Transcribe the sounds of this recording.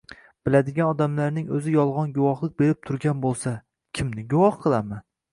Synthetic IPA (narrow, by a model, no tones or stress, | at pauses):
b̥ɪlad̪ɪɡʲanɒd̪amlaɾnɪŋɵzɪjɒlˠʁɒnɡʊwɒχlˠɪk̚ʲbe̞ɾɪp̚t̪ʰʊɾɡʲanbolˠsa | kʲʰɪmnɪɡʊwɒχqʰɨlˠaman